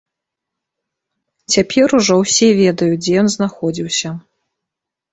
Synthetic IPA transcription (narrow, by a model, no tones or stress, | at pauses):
t͡sʲapʲʰɛɾuʐɔwsʲɛvʲɛd̪ɐjud͡zʲɛjɔnznaxɔd͡zʲiwsʲɐ